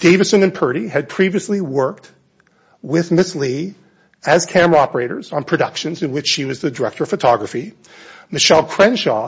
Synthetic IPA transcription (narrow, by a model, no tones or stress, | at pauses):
d̥eɪvɨsɨ̃nɨ̃npʰɜ˞ɾiɨd̚pʰɹ̥iviɨsliwɜ˞k̚t̚ | wɪðmɪsli | ɨz̥kʰæ̃mɑpə˞eɪɾə̰˞zn̩pʰɹ̥ɨɾʌkʃɨ̃nzɨ̃nwɨt͡ʃʃiwʌzðɨdə˞ɛk̚tə˞ʌv̥fɨtʰɑɡɹɨfi | mɨʃɛlˠkʰɹ̥ɛ̃nʃɑ